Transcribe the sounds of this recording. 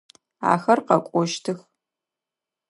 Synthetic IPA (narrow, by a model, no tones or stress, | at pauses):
a̰ːxɐrqɐkʷʼɔʃtʰɨx